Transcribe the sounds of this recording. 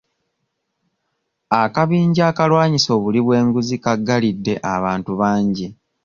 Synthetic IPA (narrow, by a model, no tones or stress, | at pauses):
akaβiːɲɟaːkalwaːɲiso̞ːβuliβwe̞ːŋɡuzikaɡːalidːe̞ʔa̰βaːntuβaːɲɟi